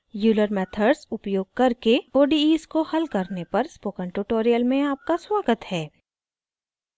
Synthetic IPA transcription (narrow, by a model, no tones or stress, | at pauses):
juːləɾmɛːt̪ʰəɖsʊpjoːɡ̚kɐɾkeoːɖiiːskohɐlkɐɾnepɐɾspoːkə̃ɳʈuʈoːɾijəlmẽaːp̚kaswaːɡət̪hɛː